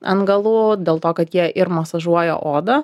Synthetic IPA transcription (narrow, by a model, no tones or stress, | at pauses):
ɐ̰nɡɐlˠuːdʲeːlˠt̪oːkɐt̪jiɛʔɪɾmɐsɐʒuɔjɛ̰ːʔoːd̪ɐ